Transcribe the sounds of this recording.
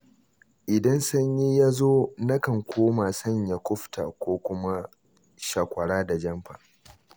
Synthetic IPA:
ʔɪ˨dɐ˦nsɐ˦ɲji˦jaː˦zoː˦nɐ˦kɐ˨ŋkʷʰoː˦ma˨sɐ˦ɲja˨kʷʊ˦ɸtʰa̰˨kʷoː˦kʷʊ˦ma˦ | ʃaː˨kʷɐ˨ɽaː˦da˨d͡ʒɐ˦mɸa̰ː˨

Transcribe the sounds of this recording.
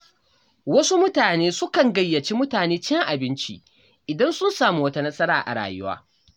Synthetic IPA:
wɐ˦su˦mʊ˦taː˨neː˦sʊ˦kɐ˨ŋɡɐ˦jːɐ˨t͡ʃi˦mʊ˦taː˨neː˦t͡ʃɛ˦ŋʔa˨bɪ˦nt͡ʃḭ˦ | ʔɪ˨dɐ˦nsʊ˦nsaː˨mu˦wɐ˦ta˦nɐ˦sɐ˦ɾaː˨ʔa̰˨ɽa̰ː˨jʊ̰˦wa̰ː˦

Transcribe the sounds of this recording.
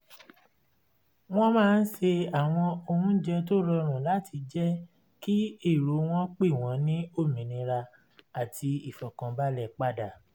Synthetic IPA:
w̃ɔ̃˦mãː˦˧n̩˦se˧a˨w̃ɔ̃˧o˧hũ˦d͡ʒɛ˧t̬o˦lɔ˧ɾ̃ũ˨la˨˦tʰi˧d͡ʒɛ˦ | ki˦e˦˨ɾo˨˦w̃ɔ̃˦k͡pe˦˨w̃ɔ̃˨˦nĩ˦o˦˨mĩ˨nĩ˧ɾa˧ | a˨ti˧i˨fɔ˨kã˧ba˦lɛ˦˨k͡pa˦˨da˨

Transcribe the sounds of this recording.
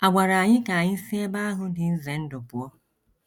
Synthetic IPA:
a˨ɡ͡bʷa˨ɾa˨a˨ɲɪ˦ka˨a˨ɲɪ˦n̩˦se˦ba˦ɦʊ˦dɪ˨n̩˦ze˨n̩˦dʊ˨pʊ˨ɔ˦

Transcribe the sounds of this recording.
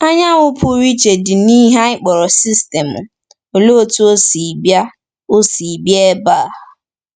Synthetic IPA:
a˦ɲa˦ŋʊ˦pʰʊ˦ɾi˦t͡ʃe˨dɪ˨ni˦ɦa˦ɪ˦k͡pɔ˨ɾɔ˨si˦ste˨mʊ˨ | o˨lo˦˨tu˦o˦si˨bja˦ | o˦si˨bje˦e˦ba˦˨

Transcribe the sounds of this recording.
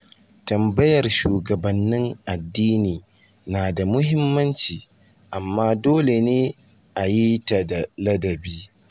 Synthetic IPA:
tɐ˨mbɐ˦jɐ˨rʃuː˨ɡɐ˨bɐ˨nːɪ˦ŋʔa˨dːiː˦niː˨ | naː˨da˨mʊ˦ɦɪ˦mːɐ˦nt͡ʃiː˨ | ʔa˨mːaː˦doː˦le˨neː˦ | ʔa˨ji˦tɐ˨da˨lɐ˦dɐ˨biː˦

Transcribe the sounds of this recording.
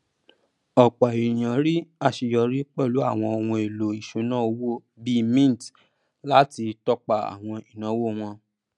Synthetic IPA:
ɔ˨k͡pɔ˨i˨j̃ã˨ɾi˦a˦˨ʃi˧jɔ˧ɾi˦k͡pɛ˦˨lu˨˦a˦˨w̃ɔ̃˧o˧wũ˧e˨lo˨i˨ʃu˨˦nãː˦˨o˧wo˦˨ | bi˦mĩ˦˨t | la˦ti˧tɔ˧k͡pa˨a̰˨w̃ɔ̃˧i˨nã˨˦wo˦w̃ɔ̃˧

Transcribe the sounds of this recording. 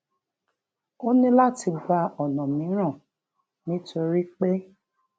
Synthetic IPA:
o˦nĩ˦la˦˨ti˧ɡ͡ba˧ɔ˨nɔ̃˨mĩ˨˦ɾ̃ã˦˨ | nĩ˨˦to˧ɾi˦k͡pe˦

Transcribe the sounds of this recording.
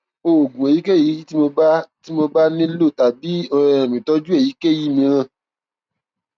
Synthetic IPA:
o˨ɡũ˨e˨ji˨˦ke˦˨ji˨˦ti˦mo˧ba˦ti˦mo˧ba˦nĩ˦lo˦˨ta˨bi˨˦ɔ˧ɛ˧ɾ̃ã˨mĩ˨tɔ˧˦d͡ʒu˦e˦˨ji˨˦ke˦˨ji˦mĩ˧ɾ̃ã˦˨

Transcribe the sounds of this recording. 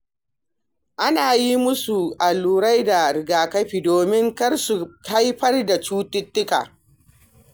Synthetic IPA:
ʔa˦naː˨ji˦mʊ˦su˨ʔa˨luː˨ɾa˦jda˨ɾɪ˨ɡaː˨kɐ˦ɸiː˨doː˨mɪ˦ŋkɐ˦rsu˨ka˦jɸɐ˦rda˨t͡ʃuː˦tɪ˦tːɪ˦ka̰ː˨

